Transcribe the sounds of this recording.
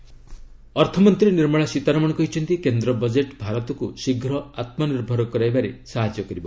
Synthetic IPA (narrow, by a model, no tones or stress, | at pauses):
ɔɾt̪ʰɔmɔnt̪ɾiniɾmɔɭasit̪aɾɔmɔɽɔkɔɦit͡ʃʰɔnt̪ikend̪ɾɔbɔd͡ʒeʈbʱaɾɔt̪ɔkusiɡʱɾɔat̪mɔniɾbʱɔɾɔkɔɾajbaɾesaɦad͡ʒjɔkɔɾibɔ